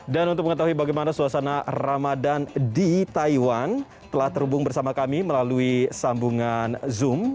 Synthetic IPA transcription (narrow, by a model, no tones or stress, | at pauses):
danunʊk̚məŋət̪aɦuibaɡajmanasuasanaramadandit̪aiwan | t̪əlaht̪əɾhubʊŋbərsamakamiməlaluisambuŋanzʊm